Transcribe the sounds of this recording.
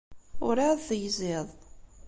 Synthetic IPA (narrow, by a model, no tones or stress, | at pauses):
ʊɾaðˤθjzɪðˤ